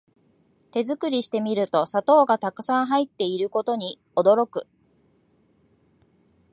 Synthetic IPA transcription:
t̪e̞zɨkɯ̟ɾʲiɕi̥t̪e̞mʲiɾɯ̟t̪o̞sat̪o̞ːɡat̪akɯ̟̥sãɰ̃ɦait̪ːe̞iɾɯ̟ko̞t̪o̞ɲ̟i | o̞d̪o̞ɾo̞kɯ̟

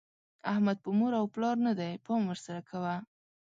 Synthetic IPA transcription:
ahmad̪̚pʊmoɾawplɑɾnad̪ajpɑmwəɾsaɾakʰawa

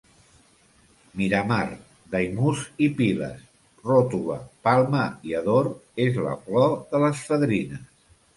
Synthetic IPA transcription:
miɾəmaɾ | d̪əjmuzipilə̰s | rot̪uləpalˠməiəðoɾezlə̰flɔðələsfəðɾinəs

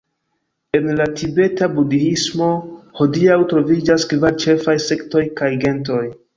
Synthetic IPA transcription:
e̞nlatʰibe̞tabudiismo̞ho̞diawtɾo̞vid͡ʒaskvaɾt͡ʃe̞fajse̞kto̞jkajɡe̞nto̞j

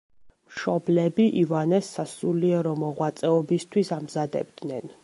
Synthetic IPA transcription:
mʃɔblɛbiʔivanɛsːasuliɛɾɔmɔʁwat̪sʼɛɔbist̪ʰwisamzad̪ɛ̰b̚d̪nɛn

